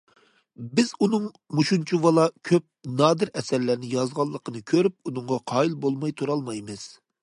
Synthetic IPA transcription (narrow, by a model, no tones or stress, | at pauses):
bɪz̥unɨŋ | muʃunt͡ʃʰuwɑlˠɑkʲʰøp̚nɑːd̪ɨɾɛsɛɾlæɾnɪjɑzʁɑlˠːəqʰənɨkʲʰøɾyp̚unɨŋʁɑqʰɑːilbolˠmɑjt̪ʰuɾɑlˠmɑjmɨz̥